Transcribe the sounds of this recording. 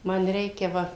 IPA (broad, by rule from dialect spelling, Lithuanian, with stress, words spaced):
ˈmɐn ˈrʲɛɪkʲɛ ˈʋɐ